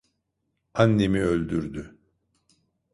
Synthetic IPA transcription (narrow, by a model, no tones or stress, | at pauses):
anːe̞miø̞lʲd̪yɾd̪y